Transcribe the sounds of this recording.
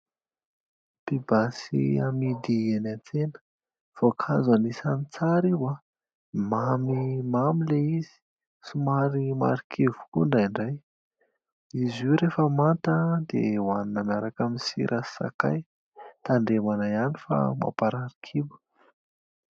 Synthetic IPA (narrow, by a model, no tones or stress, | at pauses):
pibasḭamid̪ienant͡senə̥ | v̥okʰazanisanit͡saɾiwa | mamimamileizi̥ | sumaɾima̰ɾikʰevu̥kuɳɖ͡ʐajɳɖ͡ʐaj | izuɾefəmant̪əd̪ḛwaninəmiaɾakaminsḭɾʔasa̰ka̰j | t̪aɳɖ͡ʐemanaianifa̰ma̰paɾaɾi̥kʰibu̥